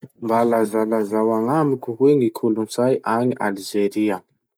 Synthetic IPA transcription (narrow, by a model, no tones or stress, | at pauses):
mbalazalazawaŋamikuɦweŋikʰulunt͡sajʔaŋiʔalid͡ʒeɾia